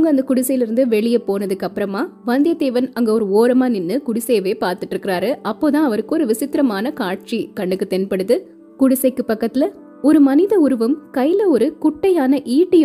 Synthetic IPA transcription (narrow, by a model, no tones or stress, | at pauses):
ŋɡɐɐnd̪ɐkʊɽɪsɐjɪlɪɾɯnd̪ɯʋɛɭɪjɐpoːnɐðɯkːɐpːɯɾɐmaːʋɐnd̪ɪjɐd̪eːʋɐnɐŋɡeːɔɾɯoːɾɐmaːnɪnːɯkʊɽɪsɐjɐʋeːpaːɾt̪ɯʈːɾɯkːɪɾaːɾɯʔɐpːoːt̪ãːɐʋɐɾɯkːɯɔɾɯʋɪsɪt̪ːɪɾɐmaːnɐkaːʈ̚t͡ʃikɐɳɖɯkːɯt̪ːɛnpɐɽɯðɯ | kʊɽɪsɐɪkːɯpːɐkːɐt̪ːɪlɐ | ɔɾɯmɐnɪðɐʊɾɯʋɐmkɐɪlɐɔɾɯkʊʈːɐjaːnɐʔiːʈːɯj